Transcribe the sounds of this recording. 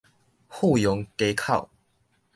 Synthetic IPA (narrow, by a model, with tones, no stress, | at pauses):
hu˥˨jɔ˨˦ŋke˧˦ɪkʰa˥˨ʊ